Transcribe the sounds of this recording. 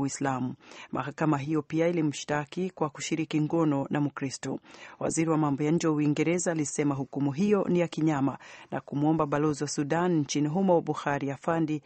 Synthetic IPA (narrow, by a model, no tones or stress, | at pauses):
islamumʔa̰hakamaɦijɔpiailim̩ʃtakikwaku̥ʃiɾikiŋɡɔnɔnʔamukɾistɔwa̰ziɾiwamambɔjaɲ̩d͡ʒɛwauiŋɡɛɾɛzaːlisɛmaɦukumuɦijɔnijakiɲamanʔa̰kumuɔmbaɓalɔziwasuɗann̩t͡ʃiniɦumawaɓuxaɾijafandi